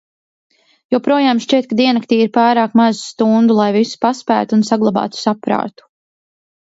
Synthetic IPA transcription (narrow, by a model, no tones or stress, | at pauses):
jɔpɾuɔjaːmʃt͡ʃiɛt̪̚kad̪iɛnak̚t̪iːiɾpaːɾaːkmazst̪und̪ulˠajvisu̥paspæ̰ːt̪uunsaɡlˠabɑ̰ːt̪u̥sapɾa̰ːt̪u̥